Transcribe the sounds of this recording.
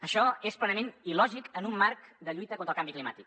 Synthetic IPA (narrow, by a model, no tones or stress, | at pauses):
əʃɔesplənəmenilɔʒikənumːaɾkd̪əʎujt̪əkont̪ɾlˠkambiklima̰t̪ik̚